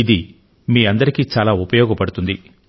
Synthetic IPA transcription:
id̪i | miːɐnd̪ɐɾikiːt͡ʃaːlaːupɐjɔːɡɐpɐɽut̪und̪i

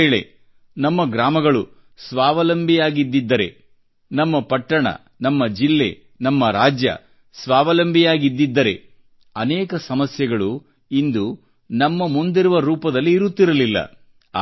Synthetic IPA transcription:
ɭe̞̰ | nɐmːɐɡɾaːmɐɡɐɭu | sʋaːʋɐlɐmbʱijaːɡid̪ːid̪ːɐɾḛ | nɐmːɐpɐʈːɐɳɐ̰ | nɐmːɐd͡ʒilːe̞̰ | nɐmːɐɾaːd͡ʒjɐ̰ | sʋaːʋɐlɐmbʱijaːɡid̪ːid̪ːɐɾe̞̰ | ɐnɛːkɐsɐmɐsjɐɡɐɭu | ind̪u | nɐmːɐmund̪iɾuʋɐɾuːpɐd̪ɐlːiːɾut̪ːiɾɐlilːɐ̰

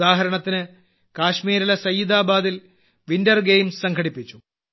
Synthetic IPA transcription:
aːɦɐɾɐɳɐt̪ːinɨ | kaːɕmiːɾɐlɐsɐjːid̪aːbaːd̪il | ʋindɐrɡejmssɐŋɡʰʱɐɽipːit͡ɕːu

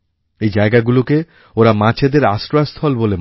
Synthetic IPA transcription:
ejd͡ʑaeɡaɡuloke | oɾamat͡ɕʰed̪eɾasɾoast̪ʰɔlbolem

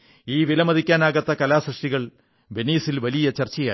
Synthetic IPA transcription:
iːʋilɐmɐðikʲːaːnaːɣɐt̪ːɐkɐlaːsrɨʂʈiɣɐɭ | be̞niːsilʋɐlijɐt͡ɕɐrt͡ɕːɐjaː

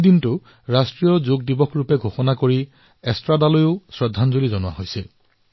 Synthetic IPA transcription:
dintʊ | ɹastɹijɔzoɡ̚dibɔkʰɹupɛɡʱoxɔnakoɹi | ɛstɹadalojʊʊsɹɛdʱːanzolizɔnʊwa̰ɦojsɛ

